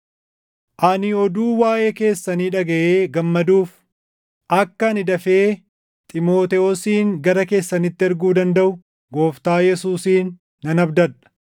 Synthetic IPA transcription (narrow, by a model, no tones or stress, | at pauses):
ʔɐnɪɔd̪uːwaːʔeːke̞ːsːɐniːᶑɐɡɐʔeːɡɐmːɐd̪uːf | ʔɐkːɐnɪd̪ɐfeː | t̪ʼɪmo̞ːt̪ɛɔsiːŋɡɐɾɐke̞ːsːɐnɪt̪ːɪɛɾɡuːd̪ɐnd̪ɐʔʊ | ɡo̞ːft̪aːjɛsuːsiːnː | ɐnɐbd̪ɐᶑɐ̥